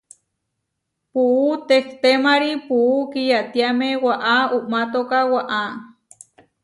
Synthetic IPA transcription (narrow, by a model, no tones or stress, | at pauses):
puʔut̪ekt̪emaɾipuʔukijat̪jamewaʔauʔmat̪okawaʔa